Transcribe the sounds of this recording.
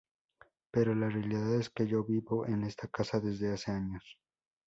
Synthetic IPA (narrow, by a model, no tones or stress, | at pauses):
pe̞ɾo̞larealiðaðe̞ske̞ʝo̞βiβo̞ʔene̞st̪akasaðe̞zðe̞ase̞aɲo̞s